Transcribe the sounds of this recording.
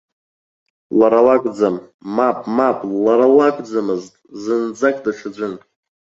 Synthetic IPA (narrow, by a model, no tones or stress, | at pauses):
laɾalakʼd͡zamːapʼmapʼlaɾalakʷʼd͡zamɨztʼzɨnd͡zakʼdaʂʰad͡ʒʷʊn